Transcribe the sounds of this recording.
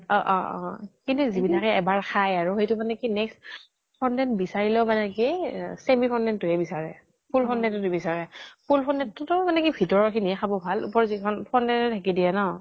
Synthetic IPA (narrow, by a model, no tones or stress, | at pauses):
ɔʔɔ̃ɔ̰̃kintuzibinʰakɛɛbaɹxʰajaɹuxejtʊmanɛkinɛkst | pʰɔndɛntbisaɹilɛʊmanɛkisemikʰɔndɛntʊɦɛbisaɹɛ | pʰulpʰɔndɛtʊtubisaɹɛpʰulpʰɔnɛtːʊtʊmanɛkibʱitɔɹɔkʰinixʰabɔbʱalṵpɔɹzikʰɔnpʰɔndɛnʊtʰakidijɛnɔ